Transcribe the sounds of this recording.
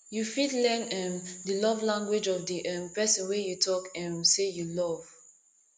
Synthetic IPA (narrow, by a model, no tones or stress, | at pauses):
jufitlɛ̃nɛ̃mdəlɔvlãŋɡwed͡ʒɔvdiʔɛ̃mpɛsɔ̃nwejutʰɔkɛ̃sejulɔv̥